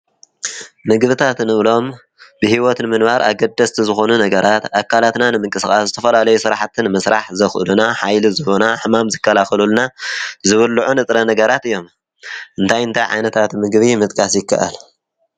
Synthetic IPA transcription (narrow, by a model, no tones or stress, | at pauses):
mɨɡβɨt̪ʰat̪nɨβlo̞m | bɨhiwɔt̪nɨmɨnbaɾʔa̰ɡɐd̪ːɐst̪ʰizɨxo̞nunɐɡɐɾat̪akʰːalat̪nanɨmɨŋkʼɨsxʼaszɨt̪ʰɐfɐlalɐjusɨɾaħt̪ʰɨnɨmɐsɾaħzɐxʔɨ̰lunaħajlizɨβonaħɨmamzɨkːɐlaxɐlulnazɨβɨlːuʕunɨt̪ʼɾɐnɐɡɐɾat̪ɨjːo̞m | ʔɨnt̪ʰajɨnt̪ʰajʕa̰jnɐt̪ʰat̪mɨɡβimɨt̪ʼkʼasjɪkʰːa̰ʔa̰l